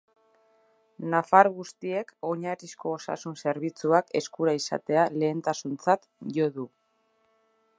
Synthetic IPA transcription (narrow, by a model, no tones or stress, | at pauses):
nafaɾɣust̪ie̞ko̞ɲaɾisko̞ːsa̰sunse̞ɾβ̞it͡suake̞̰skuɾaisa̰t̪e̞ale̞ːnt̪asunt͡sat̪ʝo̞ðu